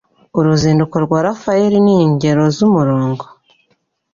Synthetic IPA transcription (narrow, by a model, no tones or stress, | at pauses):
uɾuziːndukoɾɡwaɾafaeɾiniɲɟe̞ɾo̞zumuɾoːŋɡo